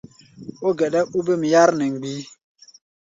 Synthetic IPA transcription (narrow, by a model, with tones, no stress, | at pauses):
o˦ɡɛ˨ɗɛ˦u˦be˦m̩˨ja˦ɾnɛ˨ŋ͡m̩˨ɡ͡biː˨˦